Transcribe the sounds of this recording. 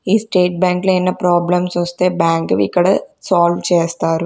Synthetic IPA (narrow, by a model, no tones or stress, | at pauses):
iːsʈeːʈ̚baːŋklɐɛnːɐpɾaːblɐmsʋɐst̪eːbaːŋɡɐʋḭkːɐɽɐsaːlʋt͡ʃeːst̪aːɾɯ